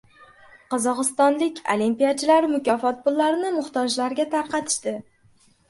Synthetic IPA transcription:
qɒzɒqɨst̪ɒnlɪkʲʰo̰limpijat͡ʃʰɪlaɾɪmʊkʲɒfɒt̪̚pʰʊlːaɾɪnɪmʊχt̪ʰɒd͡ʒlaɾɡʲat̪ʰaɾqɑt̪ʰɪ̥ʃt̪ɪ

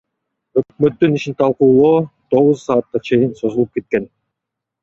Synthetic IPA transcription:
ø̞k̚møt̪ːyniʃint̪ʰɑlˠquːlˠoːt̪ʰo̞ʁuzsɑːt̪̚qɑt͡ʃʰe̞jinso̞zulˠup̚ke̞t̪̚ke̞n

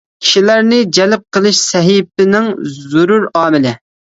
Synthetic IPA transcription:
kʲʰi̥ʃilæɾnɪd͡ʒɛlp̚qʰəlˠɨʃsɛɦip̚ɪnɪŋzuɾuɾɑːmɪlɪ

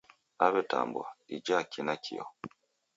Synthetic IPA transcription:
aβɛta̰mbwa̰id͡ʒakinakʰiɔ̰

